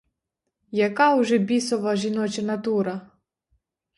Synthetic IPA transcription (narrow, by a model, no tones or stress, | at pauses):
jɐkɑwʒɛbʲisɔʋɐʒinɔt͡ʃɪnɐt̪uɾɐ